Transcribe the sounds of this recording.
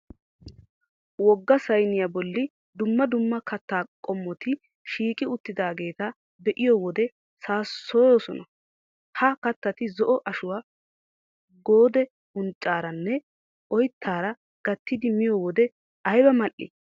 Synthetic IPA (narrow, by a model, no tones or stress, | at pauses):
wɔɡːɐsɐjnɪjabɔlːɪ | d̪ʊmːɐd̪ʊmːɐkɐt̪ːaːkʼɔmːɔt̪ɪ | ʃiːkʼɪʊt̪ːɪd̪aːɡe̞ːt̪ɐ | b̪ɛʔɪjɔwɔd̪ɛ | saːsːoːjoːsɔnɐ | hɐkɐt̪ːɐt̪ɪzɔʔɔʔɐʃʊwaː | ɡo̞ːd̪ɛ | ʊnt͡ʃʼːaːɾɐnːɛ | ʔɔjt̪ʰːaːɾɐ | ɡ̥ɐt̪ːɪd̪ɪmɪjowɔd̪ɛ | ɐjbɐmɐʔːɪ̰